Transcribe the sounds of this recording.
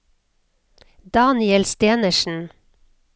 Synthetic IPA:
d̪ɑːnɪɛlst̪eːnəʃn̩

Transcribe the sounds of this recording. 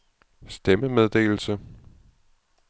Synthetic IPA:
sd̥eməmeð̞ˠd̥e̝̰ːl̩sə

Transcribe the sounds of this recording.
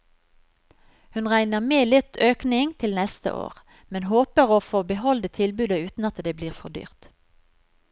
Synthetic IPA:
hʉnʁæɪnəʁmeːlɪt̪ʰøːknɪŋt̪ʰɪlnɛst̪ə̰ʔo̰ːʁ | mɛnɦoːpəʁoːfoːbəhɔld̪ət̪ʰɪlbʉːd̪əʉːt̪n̩ɑt̪d̪eːbliːʁfɔʁd̪y̰ːʁt̪

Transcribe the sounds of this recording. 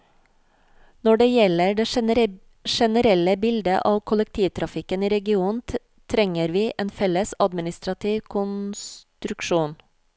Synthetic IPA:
nɔɖeːjɛləɖeː | ʃɛnəɾɛləbɪld̪ə̰ʔɑːʋkʰʊlɛk̚t̪ʰiːʋt̪ʰɾɑfɪkəniːɾɛɡɪuːnt̪ | t̪ʰɾɛŋəɾʋiːʔeːnfɛləsɑd̪mɪnɪst̪ɾɑt̪ʰiːʋkʰʊnst̪ɾʉkʃuːn

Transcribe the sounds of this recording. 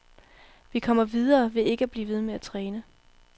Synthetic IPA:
ʋikʰɒ̽m̰ɐʋið̞ˠɐːʋe̝e̝ɡ̥əæb̥liːʋe̝ð̞̩ˠmeæt͡sʰʁɛːnə

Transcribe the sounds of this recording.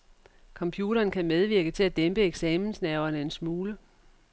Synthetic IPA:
kʰɒ̽mpʰjuːɾ̥ɐːnkʰæmeð̞ˠʋiɐɡ̥ət͡sʰe̝læd̥emb̥əeɡ̥sɛːmn̩snæɐʊɐnəe̝nsmuːlə

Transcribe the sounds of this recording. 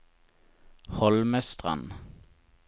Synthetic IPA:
hɔlmɛst̪ʁɑ̰n

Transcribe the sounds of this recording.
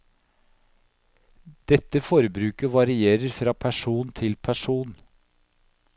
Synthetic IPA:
d̪̥ɛt̪ːəfɔːɾəbɾʉːkəʋɑɾɪeːɾəɾfɾɑːpʰæʂuːnt̪ʰɪlpʰæʂuːn

